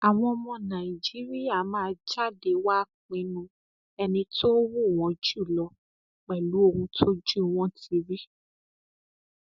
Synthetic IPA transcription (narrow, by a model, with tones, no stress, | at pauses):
a˨w̃ɔ̃˧ɔ˧mɔ̃˧nã˨i˨d͡ʒi˨˦ɾi˦ja˦˨mãː˨˦d͡ʒa˦˨de˧˦wa˦k͡pĩ˨˧nũ˧ | ɛ˧nĩ˧to˦wu˦˨w̃ɔ̃˨˦d͡ʒu˦˨lɔ˧˦ | k͡pɛ˨lu˨˦o˧hũ˧tʰo˦d͡ʒu˦˨w̃ɔ̃˦ti˧ɾi˦